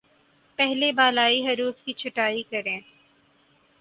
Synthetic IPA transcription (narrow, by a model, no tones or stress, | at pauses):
pɛɦlebaːlaːiɦɐɾuːfkit͡ʃʰʊʈaːikɐɾẽː